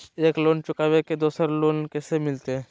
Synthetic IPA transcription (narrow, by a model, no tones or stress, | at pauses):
eklont͡ʃukaʋeked̪osəɾlonkesemilt̪e